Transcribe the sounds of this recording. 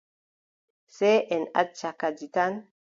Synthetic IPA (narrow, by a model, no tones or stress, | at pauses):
seʔɛna̰t̚t͡ʃakad͡ʒitan